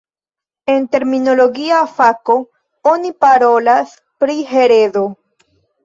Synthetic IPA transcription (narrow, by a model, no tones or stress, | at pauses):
e̞nte̞ɾmino̞lo̞ɡiafako̞ | onipaɾo̞las | pɾiɦe̞ɾe̞do̞